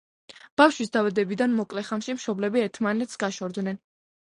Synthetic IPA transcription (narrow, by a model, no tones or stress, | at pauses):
b̥afʃwisd̪avad̪ɛbid̪anmɔkʼlɛχamʃimʃɔblɛbiɛɾt̪ʰmanɛt̪sɡaʃɔɾd̪nɛn